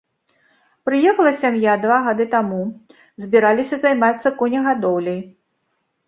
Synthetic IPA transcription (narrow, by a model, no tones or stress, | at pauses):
pɾɨjɛxɐlˠɐsʲamjad̪vaɣad̪ɨt̪amu | zʲbʲiɾalʲisʲɐzajmat̪sːɐkɔnʲɐɣad̪ɔwlʲɐj